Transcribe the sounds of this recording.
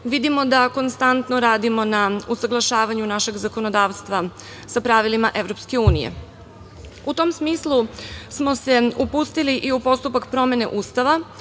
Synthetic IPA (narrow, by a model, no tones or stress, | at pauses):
ʋid̪imo̞d̪ako̞nst̪ant̪noɾaːd̪imo̞nausaɡlˠaʃaːʋaɲunaʃe̞ɡzako̞nod̪aːʋst̪ʋa | sapɾaʋilimaʔe̞ʋɾo̞pske̞uːnije̞̰ | ut̪o̞msmiːslˠusmo̞se̞upuːst̪iliʔiupo̞st̪upakpɾo̞me̞ne̞̰ʔuːst̪aʋa